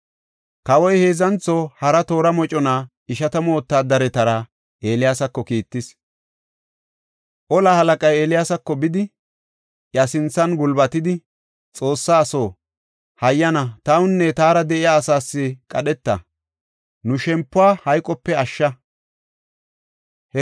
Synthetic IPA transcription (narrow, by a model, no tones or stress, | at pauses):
kɐwɔjhe̞ːzɐnt͡sːɔhɐɾɐt̪o̞ːɾɐmɔt͡ʃʼɔna | ɪʃɐt̪ɐmo̞ːt̪ːaːd̪ɐɾɛt̪ɐɾɐ | ʔe̞ːlɪjaːsɐkːɔkiːt̪ːɪs | ʔɔlɐhɐlɐkʼɐjeːlɪjaːsɐkːɔbɪd̪ɪ | ʔjɐsɪnt͡sːɐnɡʊlbɐt̪ɪd̪ɪ | t͡sʼo̞ːsːaːso̞ː | hɐjːɐnɐt̪ɐwʊnːɛt̪aːɾɐd̪ɛʔɪjaːsaːsːɪkʼɐɗɛt̪ːɐ̰ | nʊʃɛmpːʊwaːhɐjkʼɔpːɛɐʃːɐ